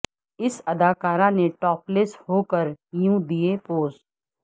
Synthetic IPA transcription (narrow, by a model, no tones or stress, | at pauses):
ɪsɐd̪aːkaːɾãneʈɔːpleshoːkəɾjũːd̪iepoːsʈ